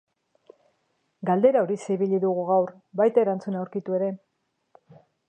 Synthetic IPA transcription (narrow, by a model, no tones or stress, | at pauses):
ɡald̪e̞ɾao̞ɾiseiβiʎiðuɣ̞uɣawr | bajt̪aeɾant͡sunawɾkit̪ue̞ɾe̞